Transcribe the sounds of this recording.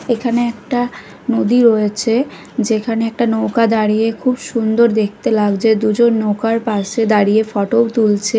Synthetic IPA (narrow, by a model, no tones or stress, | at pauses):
ekʰaneɛk̚ʈa | nod̪iɾojet͡ɕʰe | d͡ʑekʰaneɛk̚ʈanowkad̪aɽijekʰubʃund̪oɾd̪ek̚ʰt̪elaɡd͡ʑed̪ud͡ʑonːowkaɾpaɾʃed̪aɾijefɔʈot̪ult͡ɕʰe